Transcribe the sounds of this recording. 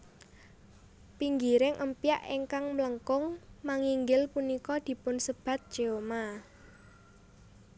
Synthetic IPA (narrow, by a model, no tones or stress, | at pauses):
piŋɡiɾɪŋʔəmpia̰ʔeŋkaŋmələŋkʊŋmaŋiŋɡɪlpunikɔd̪̥i̤pʊnsəb̥ä̤t̪̚d̥ʒ̥eoma